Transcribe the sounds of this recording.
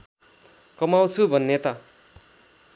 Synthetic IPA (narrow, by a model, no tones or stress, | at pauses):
kʌmawt͡sʰubʱʌnːet̪ʌ